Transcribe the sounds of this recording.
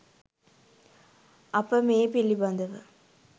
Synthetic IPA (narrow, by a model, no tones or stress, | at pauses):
ɐpːəmeːpilːibɐnd̪ɐʋɨ